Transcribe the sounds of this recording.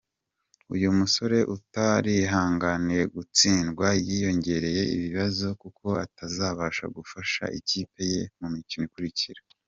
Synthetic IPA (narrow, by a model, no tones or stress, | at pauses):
ṵjumuso̞ɾe̞ʔutaɾiɦaːŋɡaniɾe̞ɡut͡siːnɡwajijo̞ɲɟe̞ɾe̞je̞ḭβiβazo̞kukʰo̞atazaːβaːʃa̰ɡufaʃa̰ʔiciːpe̞je̞mumicimikuɾiciɾa